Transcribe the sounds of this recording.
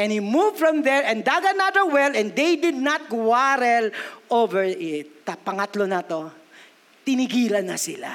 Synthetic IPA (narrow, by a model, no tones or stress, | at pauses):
ʔɛ̃nhimuvfɹɐ̃md̪ɛɹɛ̃nd̪aɡɐnaðəɹwɛlɛ̃nd̪ejd̪ɪd̪̚nɐt̪̚kwaɾɛlʔovɛɹʔɪt̪t̪ɐpɐŋɐt̪lonɐt̪o | t̪ɪnɪɡiːlɐnːɐsɪla̰